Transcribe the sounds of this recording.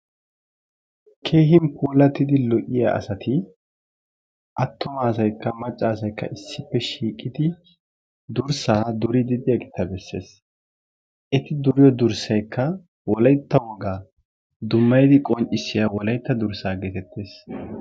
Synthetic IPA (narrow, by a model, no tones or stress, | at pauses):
kʰe̞ːɦɪmpuːlɐt̪ːɪd̪ɪlɔʔɪja̰ʔɐ̰sɐt̪ɪ | ʔɐt̪ːɔmaːsɐjkːɐmɐt͡ʃʼːaːsɐjkːɐ̰ʔɪsːɪpːɛʃiːkʼːɪd̪ɪ | d̪ʊɾsaːd̪ʊɾɪd̪ɪd̪ɪjɐɡɪt̪ːɐbɛsːe̞̰ːs | ʔɛt̪ɪd̪ʊɾɪjɔd̪ʊɾsɐjkʰːɐ | wɔlɐjt̪ːɐwɔɡaː | d̪ʊmːɐjd̪ɪkʼɔnt͡ʃʼːɪsːɪjawɔlɐjt̪ːɐd̪ʊɾsaːɡɛt̪ɛt̪ːeːs